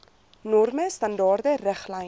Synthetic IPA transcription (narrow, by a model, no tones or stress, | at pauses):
nɔrməstɐndɑːrdərəχlɛj